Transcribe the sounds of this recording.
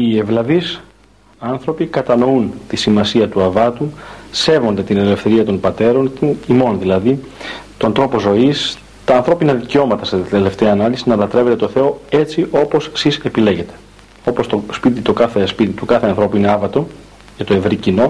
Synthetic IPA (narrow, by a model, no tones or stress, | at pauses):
ievlɐvis | ɐnθɾo̞pikɐt̪ɐno̞unt̪isimɐsiɐt̪uɐvɐt̪use̞vo̞nd̪et̪ine̞le̞fθe̞ɾiɐt̪o̞npɐt̪e̞ɾo̞nt̪imo̞nðilɐðit̪o̞nd̪ɾo̞po̞zo̞is | t̪ɐːnθɾo̞pinɐðiceo̞mɐt̪ɐst̪et̪ele̞ft̪eɐːnɐlisinɐlɐt̪ɾeve̞t̪e̞t̪oθe̞o̞e̞t͡siʔo̞po̞ssise̞pile̞ʝe̞t̪e̞̥ | o̞post̪o̞spit̪̬it̪o̞kɐθe̞spit̪it̪ukɐθe̞ɐnθɾo̞puine̞ɐvɐt̪o̞ | cet̪o̞e̞vɾicino̞